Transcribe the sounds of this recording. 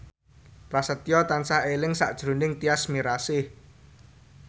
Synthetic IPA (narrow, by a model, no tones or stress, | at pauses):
prasət̪jɔt̪ansahelɪŋsa̰ʔd̥ʒ̥ɾo̤nɪŋt̪iasmiɾasɪh